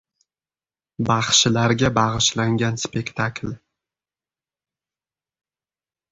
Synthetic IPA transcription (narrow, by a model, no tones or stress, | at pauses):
bɑχʃɪlaɾɡʲabɑʁɨʃlaŋɡʲanspe̞kt̪ʰaklʲ